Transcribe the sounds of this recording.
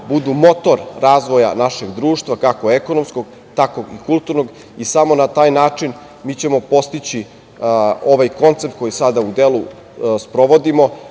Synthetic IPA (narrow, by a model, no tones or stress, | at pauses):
bud̪umo̞t̪o̞ɾɾaːzʋoja̰naʃe̞ɡd̪ɾuːʃt̪ʋakako̞ekonomskoɡ̥ | t̪ako̞ɡikulˠt̪uɾnoɡ | isamo̞nat̪aːjnaːt͡ʂin | miːt͡ɕe̞mo̞po̞st̪it͡ɕi | o̞ʋajko̞nt̪sep̚t̪ko̞jisad̪aud̪elˠu | spɾo̞ʋo̞d̪imo̞